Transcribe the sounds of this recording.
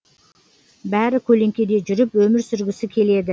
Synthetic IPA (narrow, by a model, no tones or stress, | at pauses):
bæɾɪkʲʰɵle̞ŋkʲe̞d̪e̞ʒʏɾɪpwɵmɪɾsʏɾɡʲɪsɪkʲʰe̞le̞d̪ɪ